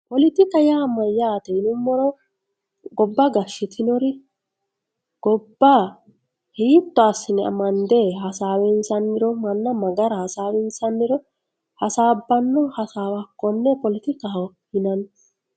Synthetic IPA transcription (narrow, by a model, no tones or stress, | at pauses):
pɔlɪt̪ɪkɐjaːmːɐjaːt̪ɛɪnʊmːɔɾɔ | ɡɔbːɐɡɐʃːɪt̪ʰɪnɔɾɪ | ɡ̥ɔbːa | hiːt̪ːɔɐsːɪnɛɐ̰mɐnd̪ɛɦɐsaːwɛnsɐnːɪɾɔmɐnːɐmɐɡɐɾɐhɐsaːwɛnsɐnːɪɾɔ | hɐsaːbːɐnːɔhɐsaːwɐkːɔnːɛpɔlɪt̪ɪka | hɪnɐn